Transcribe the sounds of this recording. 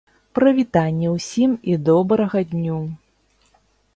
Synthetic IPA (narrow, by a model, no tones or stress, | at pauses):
pɾɐvʲit̪anʲːɛwsʲimid̪ɔbɾɐɣɐd̪ʲnʲu